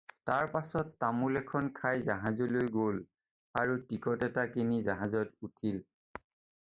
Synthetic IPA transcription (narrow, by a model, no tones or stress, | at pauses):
taɹpasɔtːamulɛkʰɔnkʰajzaɦazolojɡol | aɹutikɔtɛtakinizaɦazɔtutʰil